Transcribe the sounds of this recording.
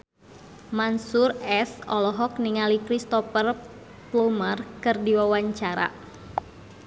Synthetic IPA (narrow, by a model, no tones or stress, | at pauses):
mansurɛsɔlɔɦɔk̚niŋalikɾist̪ɔfər | plumərkɨrdiwawaɲt͡ʃaɾa̰